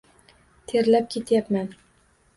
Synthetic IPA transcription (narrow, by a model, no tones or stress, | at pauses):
t̪ʰeɾlap̚kʲʰe̞t̪japman